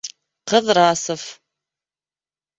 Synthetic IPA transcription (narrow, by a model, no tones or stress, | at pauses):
qəðraːsɨf